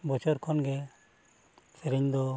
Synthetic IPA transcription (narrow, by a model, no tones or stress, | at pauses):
bɔt͡ʃɔɾkʰɔnɡɛ | sʰɛɾɛɲd̪ɔ